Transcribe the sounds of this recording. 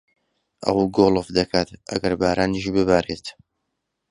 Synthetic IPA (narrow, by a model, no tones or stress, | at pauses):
ʔɐ̰wuɡolˠɨfd̪ɐkʰaːt̪ʔɐ̰ɡɐɾbaːɾʔaːniʃ̬bɨbaːɾet̪